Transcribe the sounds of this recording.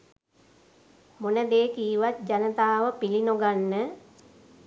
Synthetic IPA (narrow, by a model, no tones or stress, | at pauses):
monəd̪eːkiːʋat̪̚d͡ʒanət̪aːʋəpilinoɡanːə